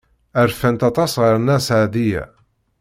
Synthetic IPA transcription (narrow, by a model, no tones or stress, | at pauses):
əɾfænt̪ɑt̪ˤɑsʁəɾˤnːæsʕaðijæ̰